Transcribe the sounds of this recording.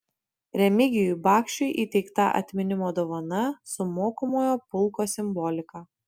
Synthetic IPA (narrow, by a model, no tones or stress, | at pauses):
ɾʲɛmʲɪɡʲɪjʊbɑːkʃʲt͡ʃʲʊɪʔiːt̪ʲɛɪkt̪ɐʔɐ̰t̪ʲmʲɪnʲɪmoːd̪oːʋɐnɐsʊmoːkomoːjoːpʊlˠkoːsʲɪmbɔlʲɪkɑː